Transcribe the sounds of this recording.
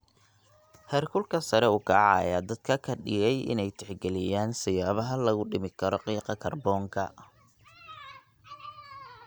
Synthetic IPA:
hɛrkʰʊlkʰɐsɐɾɛʊkʰaʕɑjaːd̪ɐd̪̥kʰɐkʰɐɖɪɣɛjɪ̰nɛjt̪ʰɛħɡɛlɪjaːnsɪjaːβɐɦɐlɐɣʊɖɪmɪkʰɐɾɔqiːqɑkʰɐrbɔːŋkʰɐ̰

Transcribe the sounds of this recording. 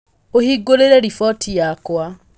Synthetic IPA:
ohiɡoleɾɛɾifɔtʰijakwa

